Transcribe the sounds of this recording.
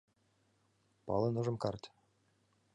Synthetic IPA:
pɑ̰lˠɤ̆nŏʒɤ̆mkɑrt̪

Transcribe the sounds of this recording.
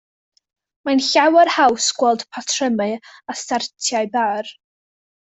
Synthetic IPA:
manɬawərhawsɡ̥wɛlˠd̥pʰatʰrəmɨastartʰjaɨbar

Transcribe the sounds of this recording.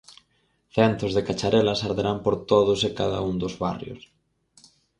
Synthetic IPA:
θɛnt̪ɾʊzðekat͡ʃaɾɛlɐsaɾðeɾampoɾt̪oðʊsɪkaða̰uŋd̪ʊzβa̰rjʊ̰s

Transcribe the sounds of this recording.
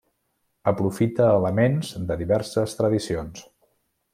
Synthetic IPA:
əpɾufit̪əːləmenzd̪əðiβɛɾsəst̪ɾəðisions

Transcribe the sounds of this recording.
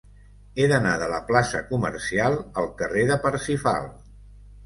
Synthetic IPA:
eðənaðələplasəkumə̰ɾsialˠəlˠkəreðəpəɾsifa̰lˠ

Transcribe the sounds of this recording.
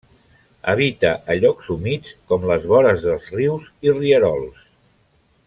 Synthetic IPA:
ə̰β̞it̪əʔəʎɔksumit͡skɔmləzβɔɾəzðəlˠzriwziriəɾɔlˠs

